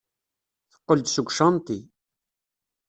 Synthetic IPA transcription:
θə̥qːəld̪suɡʷʃɑnt̪i

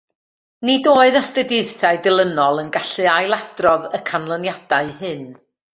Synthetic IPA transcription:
nidoːɨðastɛdɨɨθaɨdɪlˠənɔlˠənɡaɬɨajlˠad̥rɔðəkʰanlˠənjad̥aɨhɨn

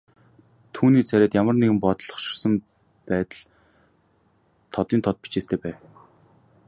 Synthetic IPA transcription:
t̪ʰuːniːt͡sʰæɾʲæːt̪jamə̆rneɣɘ̆mpɔt̪̆ɮɞ̆χʃɪ̥̆rsə̆m | pæːt̪ə̆ɮ | t̪ʰɔt̪iːnt̪ʰɔt̪̚pi̥t͡ɕeːst̪ʰeːpæːw

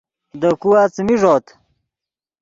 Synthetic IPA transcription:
d̪əkuwaːt͡smiʐoːt̪

